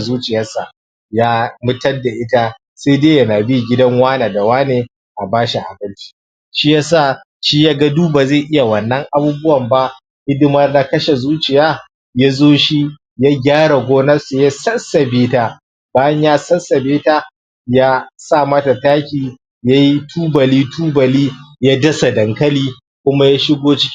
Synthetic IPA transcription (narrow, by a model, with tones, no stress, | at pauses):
zuː˦t͡ʃɪ˨jɐ˦sa˨ | jaː˦mʊ˦tɐ˦da˨ʔɪ˦ta˦ | se˦deː˦jɐ˦naː˨bi˦˨ɡʲɪ˦dɐ˦ŋwaː˦naː˨da˨waː˦neː˨ | ʔa˨baː˦ʃi˨ʔa̰˨bɐ˦lt͡ʃi̥˦ | ʃi˦ja˦saː˦˨ | ʃiː˦jaː˦ɡa˦duː˦ba˨ze˦˨ʔɪ˦ja˨wɐ˨nːɐ˦ŋʔa˦buː˦bʊ˦wɐ˨mba˦ | ɡɪ˦dɪ˦mɐ˦rna˦kɐ˦ʃe˨zuː˦t͡ʃɪ˨jaː˦ | ja˦zoː˦ʃi˦ | ja˦ɡʲaː˦ɽa˨ɡʷoː˦nɐ˦se˨je˦sɐ˦nsɐ˨beː˦ta˨ | baː˦jɐ˦ɲjaː˦sɐ˦nsɐ˨beː˦ta˦ | jaː˦saː˦˨mɐ˦ta˨taː˦kʲiː˨ | ja˦ji˦tʰuː˦bɐ˨liː˦tʰuː˦bɐ˨liː˦ja˦dɐ˦sa˨dɐ˨ŋkɐ˦liː˦ | kʷʊ˦ma˦ja˦ʃɪ˦ɡʷoː˦t͡ʃɪ̥˦kʲ